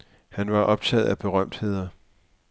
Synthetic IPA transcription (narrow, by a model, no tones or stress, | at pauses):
hænʋɑ̈ʔɒ̽b̥̚t͡sʰɛ̰ːð̩ˠæb̥e̝ʁɶm̰d̥he̝ð̞̰ˠɐ